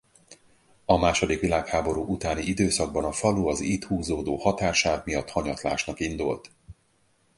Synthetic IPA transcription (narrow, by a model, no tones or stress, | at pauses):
ɒmaːʃo̞d̪ikʋilaːkhaːbo̞ɾuːʔut̪aːniid̪øːsɒɡ̚bɒnɒfɒluɒziːt̪huːzoːd̪oːhɒt̪aːʃaːvmijɒt̪hɒɲɒt̪la̰ːʃnɒkind̪ult̪